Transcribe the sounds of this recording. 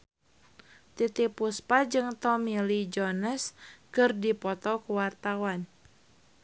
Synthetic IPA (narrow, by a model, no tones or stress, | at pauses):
t̪it̪ipuspad͡ʒɨŋt̪ɔmilid͡ʒɔnəskɨrdipɔt̪ɔkuwart̪awan